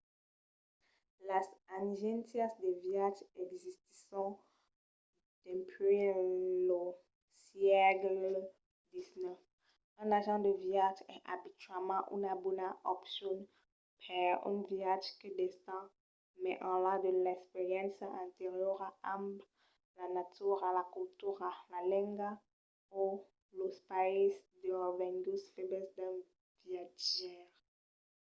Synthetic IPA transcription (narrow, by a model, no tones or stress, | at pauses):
lasanʒɛ̃nt̪jasd̪eviaʒɛɡzist̪i̥sɔ̃ | d̪̥ɛ̃pʰelo | sjɛɡl | d̪isnœf | ɑ̃naʒɑ̃d̪əviaʒɛ̃ʔa̰bit̪ɥalmɑ̃ʔy̰nabunaʔɔpsjɔn | pʰɛy̰nviaʒkəd̪est̪ɑ̃ | mɛʔɑ̃lãd̪əlɛkspeʁjɛ̃nsɛ̃nt̪eʁjɔʁaʔãmb | lanat̪yʁalakult̪yʁalalɛ̃ŋɡa | o | lospaisd̪əvɛ̃ŋɡusfeblɛsd̪ɛ̃ | viaʒɛʁ